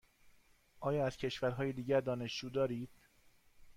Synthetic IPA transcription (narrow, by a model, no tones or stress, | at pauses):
ʔɒːjɒːæz̥cʰe̞ʃvæɾɦɒːjed̪iːɟæɾd̪ɒːne̞ʃd͡ʒuːd̪ɒːɾiːd̪̥